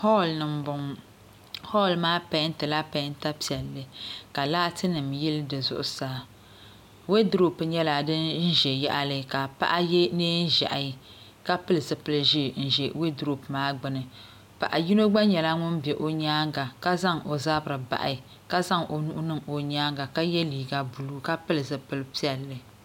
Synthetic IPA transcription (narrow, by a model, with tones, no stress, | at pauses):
hɔ˦lnɨ˨mbʊ˨ŋ | hɔ˦˨lmaː˦pa˦ntɨ˨la˦pa˨˦nta˦pi˨ɛ˨lːɨ˦ka˨laː˦tʰɨ˦nɨ˨mjɪ˦ldɨ˨zʊ̰˦ʔʊ˦saː˦ | we˦dɾo˦pɨ˨ɲɛ˦la˨dɨ˦nn̩˦ʒɛ˨jɛ̰˦ʔa˦lɨ˦ka˨pa̰˦ʔa˦jɛ˦neː˦n̩˦ʒa̰˨ʔa˨˦ | ka˦pɨ˦lɨ˨zɨ˨pɨ˦lɨ˦ʒi˦n̩˦˨ʒɛ˨we˦dɾo˦pmaː˦ɡ͡bɨ˨nɨ˨ | pa̰˨ʔa˨ji˦no˦ɡ͡ba˦ɲɛ˨la˦ŋʊ˦nbɛ˨ʔo˦ɲaː˦ŋɡa˨ka˦za˦ŋo˨za˦bɨ˨ɾɨ˨ba̰˨ʔa̰˨ | ka˦za˦ŋo˨nu˦ʔʊ˦nɨ˦ŋo˨ɲaː˦ŋɡa˨ka˦jɛ˦liː˨ɡa˦bu˨lu˦ka˦pɨ˦lɨ˨zɨ˨pɨ˦lɨ˦pi˦ɛ˨lːɨ˨